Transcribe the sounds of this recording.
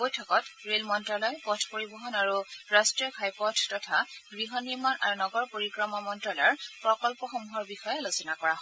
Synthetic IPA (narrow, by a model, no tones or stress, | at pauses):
bojtʰɔkɔtɹelmɔntɹalɔjpɔtʰpoɹibɔɦɔnaɹuɹastɹiɔkʰajpɔtʰtɔtʰaɡɹiɦɔniɹmanʔa̰ɹunɔɡɔɹpoɹikɹɔmamɔntɹalɔjɹpɹɔkɔlpɔxomuɦɔɹbixɔjɛlozɔnakɔɹaɦɔ